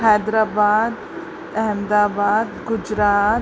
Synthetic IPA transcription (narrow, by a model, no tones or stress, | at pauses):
ɦɛːd̪ɾaːbaːd̪ | ɛɦəmd̪aːbaːd̪ɡʊd͡ʒɾaː